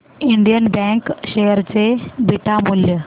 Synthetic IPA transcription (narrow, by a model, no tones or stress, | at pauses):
iɳɖijənbɛ̃ŋkɕejəɾt͡sebiʈamuljə